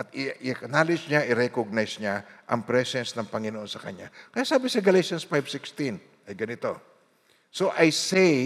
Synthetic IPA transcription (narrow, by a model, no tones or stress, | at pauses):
ʔɐt̪̚ɪʔɪɐknaːlɪd͡ʒɲaʔɪɾɛkoɡ̚najsɲaʔɐ̰ŋpɾɛsɛnsnɐŋpɐŋɪnoʔo̞nsɐkɐ̰ɲakɐjasaːbɪsɐɡɐlejʃɐnsfajbsɪkst̪ɪn | ʔɐjɡɐnɪt̪o̞ | so̞ʔɐjsɛ